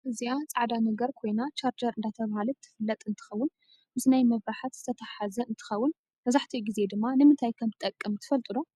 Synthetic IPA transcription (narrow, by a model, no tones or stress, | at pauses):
ʔɨziat͡sʼaʕd̪anɐɡɐɾkʰo̞jnat͡ʃaɾd͡ʒɐɾʔɨnd̪at̪ʰɐβahalɨt̪ʰːɨ̥fɨlːɐt̪ʼɨnt̪ʰɨ̥xɐwːʊn | mɨsnajmɐβɾaħat̪zɨ̥t̪ʰɐt̪ʰaħazɐɨnt̪ʰɨ̥xɐwːʊn | mɐzaħt̪ʰiɡize̞d̪ɨmːanɨmɨnt̪ʰajkʰɐmt̪ɨt̪ʼːɐkʼːɐmt̪ʰɨ̥fɐlt̪ʼɨlo